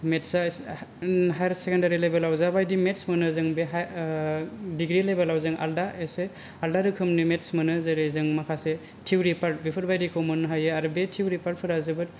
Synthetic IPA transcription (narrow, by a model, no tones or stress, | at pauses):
metsa | ɦajɾsekʰendaɾilejbelawzabajdimetsmɯnɯzɯŋbe | diɡɾilebelawzɯŋa̰ldaese | aldaɾɯkʰɯmnimetsmɯnɯzeɾezɯŋmakʰase | tʰiwɾipʰaɾt̚bipʰɯɾbajdikʰɯwmɯnɦajɯaɾbetʰiwɾipʰaɾt̚pʰɯɾazɯbɯt